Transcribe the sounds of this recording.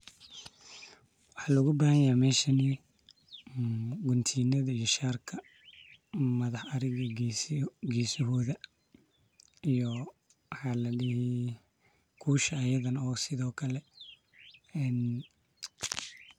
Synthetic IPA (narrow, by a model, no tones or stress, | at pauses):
wɑħɑːlɐʊɣʊbaːhɐjaːmɛːʃɐni | ɡʊnt̪ʰiːnɐðɐijɔʃaːrkʰɐ | mɐðɑħɐɾɪɣɐɡsɡɛːsɔɦɔːðɐ | ijɔ | wħɑːlɐɖɪhi | kʰuːʃɐːjɐðɐnɔːsɪðɔːkʰɐlɛ | ɛn